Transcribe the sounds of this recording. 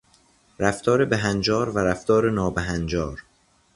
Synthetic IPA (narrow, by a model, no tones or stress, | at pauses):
ɾæft̪ʰɒːɾebeɦænd͡ʒɒːɾvæɾæft̪ʰɒːɾenɒːbeɦænd͡ʒɒːɾ